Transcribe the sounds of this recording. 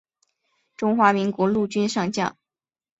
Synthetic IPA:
ʈ͡ʂʊ˥ŋxwa˧˥mi˧˥ŋkwɔ˧˥lu˥˩t͡ɕy˥nʂɑ˥˧ŋt͡ɕjɑ̰˥˩ŋ

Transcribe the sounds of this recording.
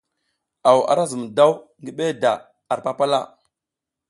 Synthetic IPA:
a˨wa̰˨ɾa˦zə˨m˨da˦wŋɡi˦ɓe˦da˨ | a˨ɾpa˦pa˦la̰˦˨

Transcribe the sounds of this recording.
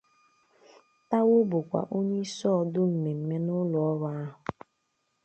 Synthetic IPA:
ta˦wʊ˦bʊ˨kʷa̰˨ʔo˦ɲe˦i˦sɔː˦˨dʊ˦m̩˨me˨m̩˨me˦nʊ˦lɔ˨ɔ˦ɾa˦ɦʊ˨

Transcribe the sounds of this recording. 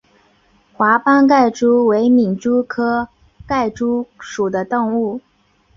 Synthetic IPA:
xwa˧˥pɑ˥ŋk̬a˥˩ɪʈ͡ʂu˥we˧˥ɪmi˨˩ŋʈ͡ʂu˥kʰɤ˥ | ka˥˩ɪʈ͡ʂu˥ʂu˨˩d̪ə˦t̪o˥˧ŋu˥˩

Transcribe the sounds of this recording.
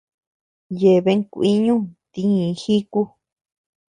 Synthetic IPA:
je˨βe˧˦ŋkʷi˦ɲũ˦t̪i˧ɲĩ˨˧xi˦ku˦

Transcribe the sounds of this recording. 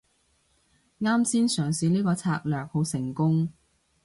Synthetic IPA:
ŋaː˥msiː˥nsœː˨˩ŋsiː˨˧niː˥kɔː˧t͡sʰa̰ː˧k̚lœː˨˩k̚ho˨˥wsɪ˨˩ŋkʊ˥ŋ

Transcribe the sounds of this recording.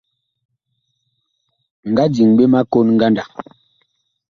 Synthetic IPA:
ŋ̩˨ɡa˦d͡ʒi˨ŋɓe˦ma˦ko˦nŋ̩˦ɡa˦nda˨

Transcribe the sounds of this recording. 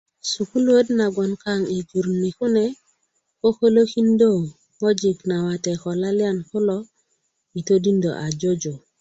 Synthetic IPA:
su˨ku˦lwə˦dna˨ɡo˨nka˦ŋi˨d͡ʒu˨ɾni˨ku˦ne˨ | ko˦ko˦lo˦ki˦ndo˦˨ | ŋo˦d͡ʒi˨kna˨wa˨te˨ko˨la˦li˦a˦nku˦lo˦ | i˨to˦di˦ndo̰˨ʔa˨d͡ʒo˦d͡ʒo˨

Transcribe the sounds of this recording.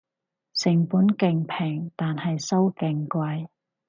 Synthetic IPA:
sɪ˨˩ŋpuː˨˥nkɪ˨ŋpʰɛː˨˩ŋt̪aː˨nhɐ˨jsɐ˥wkɪ˨˩ŋkʷɐ˧j

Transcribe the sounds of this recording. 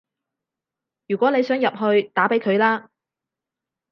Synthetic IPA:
jyː˨˩kʷɔː˨˥ne˨˧jsœː˨˥ŋjɐ˨p̚ɦɵ˧ɥt̪aː˨˥pe˨˥jkʰɵ˨˧ɥlaː˥

